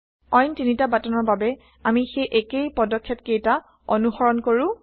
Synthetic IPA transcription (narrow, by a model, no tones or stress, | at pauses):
ɔjntinitabatɔnɔɹbabɛ | amixejʔekejpɔdɔkʰːɔtkejta | ɔnuxɔɹɔnkoɹʊ̃